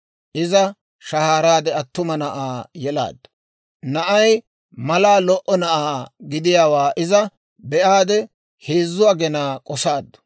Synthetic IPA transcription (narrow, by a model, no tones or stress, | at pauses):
ʔɪzɐ | ʃɐhaːɾaːd̪ɛɐt̪ːʊmɐnɐʔaːjɛla̰ːd̪ːɐ | nɐʔɐj | mɐlaːlɔʔɔnɐʔaːɡɪd̪ɪjaːwaːʔɪzɐ | bɛʔaːd̪ɛ | heːzːʊaɡɛnaːkʼɔsaːd̪ːɐ̥